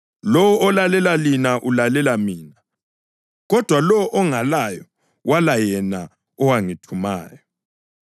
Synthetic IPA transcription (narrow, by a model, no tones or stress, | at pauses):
lɔwɔɔlalɛlalinaʔulalɛlamiːna | ɣɔd̥ʱwalɔwʔɔŋalajɔ | walajɛna | ɔwaŋitʰuma̰ːjɔ